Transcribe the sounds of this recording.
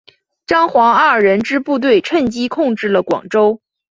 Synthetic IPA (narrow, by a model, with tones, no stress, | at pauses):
ʈ͡ʂɑ˥ŋxwɑ˧˥ŋɐ˥˩ə˩ɻə˧˥nʈ͡ʂɻ̩˥pu˥˧t̪̬we˥˧ɪʈ͡ʂʰə˥˩nt͡ɕi˥kʰʊ˥˧ŋʈ͡ʂɻ̩˥˩lə˩kwɑ̰˨˩ŋʈ͡ʂo˥ʊ